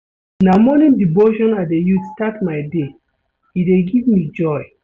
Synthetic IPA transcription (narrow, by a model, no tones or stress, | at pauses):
namɔnĩndiboʃɔ̃nadejudstatmajde | ideɡivmid͡ʒɔj